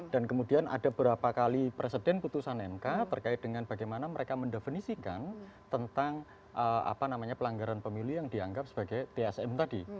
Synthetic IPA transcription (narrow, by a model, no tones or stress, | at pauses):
d̥ankəmudianʔa̰dabəɾapakalipɾesedɛnput̪usanɛmkat̪ərkaɪt̪̚d̥əŋanb̥aɡajmanaməɾekaməndefinisika̰nt̪ənt̪aŋ | ʔəa̰panamaɲapəlaŋɡaɾanpəmilujaŋdiaŋɡap̚sə̥b̥aɡajt̪eɛsɛmt̪adi